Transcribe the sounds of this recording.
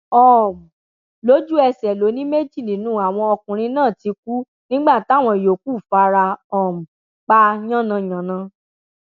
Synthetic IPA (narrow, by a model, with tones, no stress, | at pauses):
ɔ˨m˨ | lo˨˦d͡ʒu˦ɛ˧sɛ˨lo˨˦nĩ˦me˦d͡ʒi˦˨nĩ˨˦nũː˦a˨w̃ɔ̃˧ɔ˧kũ˨ɾ̃ĩ˧nãː˦˨ti˧k̚u˦ | nĩ˦ɡ͡ba˦˨ta˦˨w̃ɔ̃˧i˨jo˨ku˦˨fa˧ɾa˧ɔ˨m̩˨ | k͡pa˧ɲã˦˨nã˧j̃ã˨nã˧